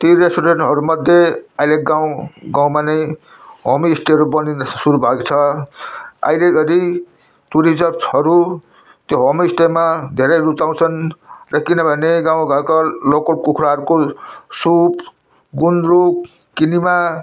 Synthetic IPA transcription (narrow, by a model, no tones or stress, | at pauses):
t̪iɾesʈuɾenʈɦʌɾumʌd̪ʱjeaileɡaw̃ɡaw̃manʌj | ɦʌmiːsʈeɦʌɾubʌninsuɾubʱakt͡sʰʌ | a̰ijleɡʌɾi | t̪uɾid͡zʌpɦʌɾu | t̪joɦʌmiːsʈemad̪ʱeɾʌjrut͡saw̃t͡sʰʌnrʌkinʌbʱʌneɡãw̃ɡʱʌɾkalokokukʰɾaɦʌɾukosup | ɡunɾuk | kinima